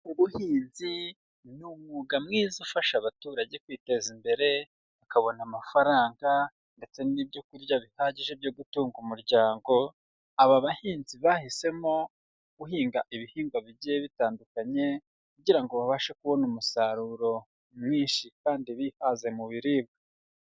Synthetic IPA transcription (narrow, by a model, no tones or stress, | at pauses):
uβuhiːnzi | numuɡamŋiːzufaʃaβatuːɾaɟe̞kwiːte̞zimbe̞ɾe̞ | βakaβo̞namafaɾaːŋɡa | nde̞t͡se̞nibɟo̞kuɾjaβihaɟiʒe̞βjoɡutuːŋɡumuɾɟaːŋɡo̞ | aβaβahiːnziβahise̞mo̞ | ɡ̥uɦiːŋɡaʔiβihiːŋɡwaβiɟijeβitaːndukaɲe̞ | kuɟiɾaŋɡo̞βaβaʃakuβo̞numusaɾuɾo̞ | mŋiːnʃikaːndiβihaze̞muβiɾiːbɡa